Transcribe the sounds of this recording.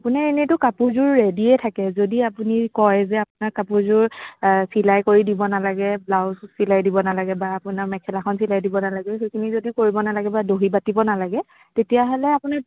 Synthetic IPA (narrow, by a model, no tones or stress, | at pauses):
apunaɹenetʊkapuɹzʊɹːediɛtʰakɛzodiapunikɔjzɛapʊnakːapuɹzʊɹsilajkoɹidibɔnalaɡɛblawsilajdibɔnalaɡɛbaːpʊnaɹmɛkʰɛlaxʰɔnsilajdibɔnalaɡɛɦekʰinizodikoɹibɔnalaɡɛbadoɦibatibɔnalaɡɛ | tetijaɦɔlɛapʊna